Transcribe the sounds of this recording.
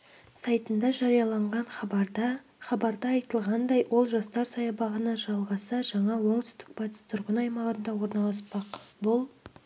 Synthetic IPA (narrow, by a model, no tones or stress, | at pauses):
sɑjt̪ənd̪ɑʒɑɾijɑlˠɑɴʁɑnχɑbɑɾd̪ɑ | χɑbɑɾd̪ɑɑjt̪əlˠʁɑnd̪ɑjwʔo̞lˠʒɑst̪ɑɾsɑjɑbɑʁənɑʒɑlˠʁɑsəʒɑɴɑwoɴt̪ʰʏ̥st̪ɪ̥k̚pɑt̪ɪst̪ʰʊɾʁənɑjmɑʁənd̪ɑwo̞ɾnɑlˠɑspɑqbʊlˠ